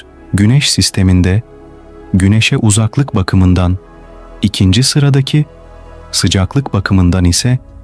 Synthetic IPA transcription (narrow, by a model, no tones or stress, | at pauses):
ɟynɛʃsist̪ʰe̞mind̪ɛ | ɟyne̞ʃɛʔuzaklˠɯkbakʰɯmɯnd̪an | icʰind͡ʒisɯɾad̪acʰi | sɯd͡ʒaklˠɯkbakʰɯmɯnd̪anisɛ